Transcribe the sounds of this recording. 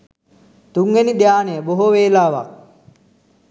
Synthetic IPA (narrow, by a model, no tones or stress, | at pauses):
t̪uŋɡenid̪jaːnejəboɦoʋeːlaːʋa̰k̚